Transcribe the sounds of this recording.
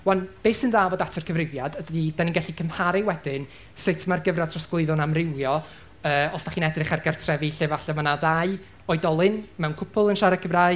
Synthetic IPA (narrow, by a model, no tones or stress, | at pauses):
wɛnb̥eːsɨnðaːvɔdatʰərkʰəvrɪvjadəddid̥aninŋɡɛɬikʰəmhaɾɨwɛdɪn | sɪtʰmarɡəvratʰrɔsɡ̥lˠɪɨðɔnamrɪwjɔ | əːɔsd̥aχiːnɛdrɨχarɡartʰrɛviɬɪvaɬɔmanaðaɨ | ɔɨdɔlˠɨnmɛwnkʰʊpʰʊlˠənʃaɾakʰəvraɨ